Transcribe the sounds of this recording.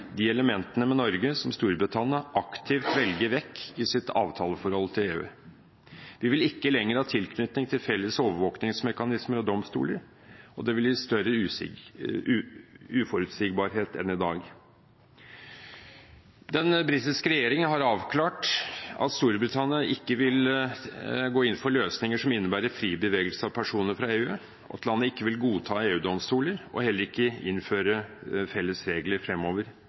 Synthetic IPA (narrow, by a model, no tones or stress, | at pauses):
d̪iɛləmɛnt̪ənəmɛnɔɾɡəsɔmst̪uːɾbɾɪt̪ʰɑnɪɑʔɑkt̪ʰɪʋt̪ʋɛlɡəʋɛkːɪsɪt̪ʰɑ̰ːʋt̪ʰɑːləfɔɾhɔlt̪ʰɪleːʉ̰ː | ʋɪʋɪlɪkːəlɛŋːəɾhɑːt̪ʰɪlkʰnʏt̪nɪŋt̪ʰɪlfɛlːəsoːʋəɾʋoːknɪŋsmɛkɑnɪsməɾɔd̪ɔmst̪ṵːləɾ | ɔd̪ɛʋɪljɪst̪œɾə | ʉːfɔɾʉt̪siɡ̚bɑːɾɦeːt̪ɛ̰nɪd̪ɑːɡ | d̪ɛnbɾɪt̪ɪʂkəɾɛjeːɾɪŋənɦɑɾɑːʋkʰlɑːʈɑ̰t̪st̪uːɾbɾɪt̪ʰɑnɪɑʔɪkːəʋɪl | ɡoːɪnfɔɾløːsnɪŋəʂɔmɪnːəbæːɾəfɾiːbəʋeːɡəlsəɑʋpʰæʂuːnəɾfɾɑeːʉː | ʔɔ̰t̪ʰlɑnːəɪkːəʋɪlɡuːt̪ʰɑːeːʉːd̪ɔmst̪uːləɾɔ̰hɛlːəɾɪkːəɪnføːɾəfɛlːəsɾeːɡləɾfɾɛmːoːʋəɾ